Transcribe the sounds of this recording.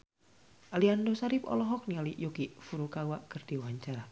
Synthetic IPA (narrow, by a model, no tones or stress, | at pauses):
ʔaliandosaɾipɔ̰lɔɦɔk̚nialiʔjokifuɾukawaʔkərd̥iwaɲt͡ʃar